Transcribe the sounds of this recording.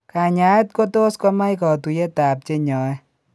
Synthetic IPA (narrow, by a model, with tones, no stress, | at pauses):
ka˨ɲa˨˦e˦t̚ko˦to˦skɔ˦ma˦jkɔ˨tu˨je˦ta˨p̚t͡ʃe˦ɲɔ˨ɛ˦